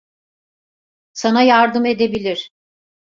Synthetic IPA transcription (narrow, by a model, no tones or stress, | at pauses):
sanajaɾd̪ɯme̞d̪ebilʲiɾ̥